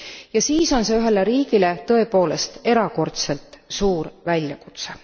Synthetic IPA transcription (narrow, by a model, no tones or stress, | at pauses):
jɑsiːso̞nse̞yɦe̞le̞ɾiːɡ̥ile̞t̪ɤe̞po̞ːle̞st̪e̞ɾɑko̞rt̪se̞lt̪ˑsuːɾvælʲjɑku̥t̪se